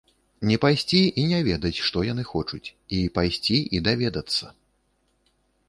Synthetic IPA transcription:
nʲɛpajsʲt͡sʲiʔinʲɛvʲɛd̪ɐt͡sʲʂt̪ɔjan̪ɨxɔt͡ʂut͡sʲipajsʲt͡sʲiʔid̪avʲɛd̪ɐt̪sːɐ

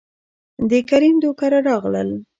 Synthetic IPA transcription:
d̪əkaɾimd̪okaɾaɾɑɣlə̰l

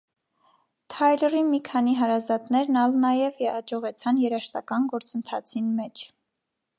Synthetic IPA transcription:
t̪ʰɑjlərimikʰɑniɦɑɾɑzɑt̪nɛɾnɑlnɑjɛvjɛɑd͡ʒɔʁɛt͡sʰɑnjɛɾɑʃt̪ɑkɑnɡɔɾt͡sənt̪ʰɑt͡sʰinmɛt͡ʃʰ

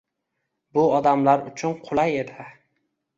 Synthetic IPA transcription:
bʊɒd̪amlaɾʊt͡ʃʰʊnqʰʊlˠaje̞d̪ɪ

